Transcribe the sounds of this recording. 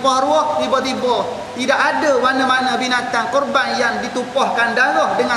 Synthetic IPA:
pɔhɾuɔht̪ibɔt̪ibɔ | t̪idakadəmanəmanəbinat̪ankɔrbanjaŋdit̪upɔhkandaɾɔhdəŋa

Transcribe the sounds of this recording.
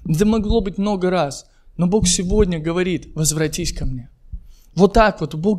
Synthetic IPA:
ɛd̪əmɐɡlˠo̞bɨtʲmno̞ɡəɾas | no̞bo̞xsʲɪvo̞dʲnʲəɡəvɐɾʲit̪vəzvɾɐtʲisʲkɐmnʲe̞ | vo̞t̪ːakvot̪bo

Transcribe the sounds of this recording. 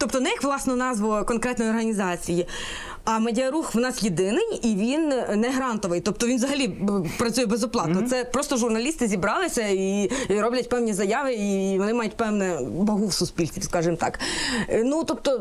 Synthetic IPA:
t̪ɔpt̪ɔnɛjɐkʋlˠɑsnɔnɑzʋɔkɔnkɾɛt̪nɔjɔrɦɐnʲizɑt͡sʲiji | ɐmɐdʲɪɐɾuxʋnɑsjed̪ɪnɪjiʋʲinnɛɦɾɑnt̪ɔʋɪjt̪ɔpt̪ɔʋʲinʋzɐɦɐlʲipɾɐt͡sʲujɛbezɔplˠɑt̪nɔt̪sɛpɾɔst̪ɔʒʊrnɐlʲist̪ɪzʲibɾɑlˠɪsʲɐiɾɔblʲɐt̚ʲpɛwnʲizɐjɑʋɪiʋɔnɪmɑjʊtʲpɛwnɛbɐɦuwsʊspʲilʲt͡sʲiwskɑʒɪmt̪ɑ̰knut̪ɔp̚t̪ɔ

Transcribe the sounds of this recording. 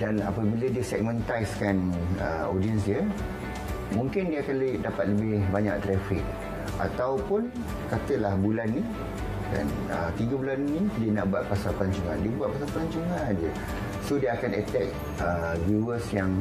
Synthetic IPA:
dana̰pəbilədiəsɛk̚mə̃nt̪ajskanə̰odiəns̬diə | mũŋkɪndiəakanlʔdapat̪̚ləbɪhbaɲa̰k̚d̪ɾɛfik̚ | ʔa̰t̪awpʊn | kat̪əlahbulanːi | ka̰n | ət̪iɡəbulannĩdiəna̰ʔbuat̪̚pasalpəlaɲt͡ʃuŋã̰ndiəbuat̪̚pasalplaɲt͡ʃuŋãdə | sodiəakanət̪ɛk̚ | əɡuuəsjaŋ

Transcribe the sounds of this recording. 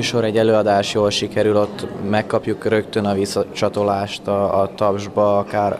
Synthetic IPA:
yːʃo̞ɾɛɟːɛløːɒd̪aːʃjoːlʃikɛɾylo̞t̪ːmɛkːɒpjukrø̞kt̪ønɒvisːɒt͡ʃɒt̪o̞laːʃt̪ɒːt̪ɒbʒbɒɒkaːr

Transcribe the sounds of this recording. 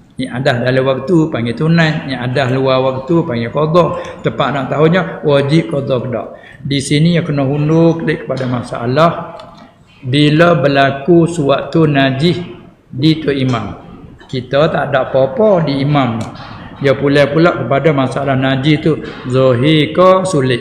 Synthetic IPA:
ɲiʔadahdalawak̚t̪upaŋɡɛt̪unanɲaʔadahluawak̚t̪upaŋɡɛkod̪ɔt̪əpaʔnaʔt̪aɦuɲəwad͡ʒiʔkod̪ɔkəda̰ʔ | disinijakənɔɦundʊkəleʔkə̥padamasaʔa̰lah | biləbəlakusuwaʔt̪unad͡ʒɪh | dit̪uʔimamkit̪ət̪aʔdaʔpopɔdiːmamjəpulɛpulaʔkəpadamasaalahnad͡ʒɪht̪uzɔɦikɔsulɪʔ

